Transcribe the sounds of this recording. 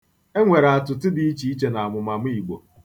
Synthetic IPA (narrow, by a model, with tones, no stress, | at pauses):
e˦ŋʷe˨ɾa˨a˨tʊ˨tɪ˦di˦i˦t͡ʃi˨˦i˦t͡ʃe˨na˨a˨mʊ˨ma˨m˦i˨ɡ͡bo̰˨